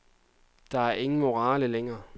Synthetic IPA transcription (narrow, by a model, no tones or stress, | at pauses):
d̥ɑ̈æɐʔe̝ŋn̩mo̝ʁɑ̈ːləleŋɐː